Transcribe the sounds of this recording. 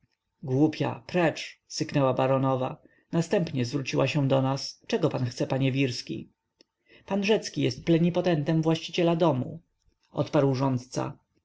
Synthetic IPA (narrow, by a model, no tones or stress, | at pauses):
ɡwupʲja̰pɾɛt͡ʂsɘknɛwabaɾɔnɔva | nast̪ɛmpɲɛzvɾut͡ɕiwaɕɛ̃d̪ɔnast͡ʂɛɡɔpanxt̪sɛpaɲɛvʲiɾskʲḭ | panʐɛt̪skʲijɛst̪̚plɛɲipɔt̪ɛnt̪ɛmvwaɕt͡ɕit͡ɕɛlad̪ɔmṵ | ʔɔ̰t̪paɾwʐɔnt̪t̪sa̰